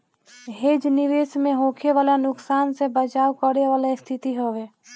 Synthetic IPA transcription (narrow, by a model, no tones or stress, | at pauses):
ɦeːd͡ʒnɪʋeːsmẽɦõːkʰeʋaːlanʊksaːnsebət͡ʃaːwkəɾeʋaːlest̪ʰɪt̪iɦoːʋeː